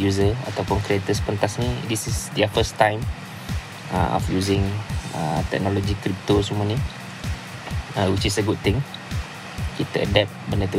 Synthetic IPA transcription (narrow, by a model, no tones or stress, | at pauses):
juzəa̰t̪awpʊnkɾiat̪əspənt̪asnidisisd̪iafəst̪ãjm | ə̰ɔ̰fjuzɪ̃ŋə̰t̪ɛ̰k̚nɔlod͡ʒikɾip̚t̪osəmuani | əwit͡ʃisəɡud̚t̪ɪ̃ŋ | kit̪əədɛp̚bəndət̪u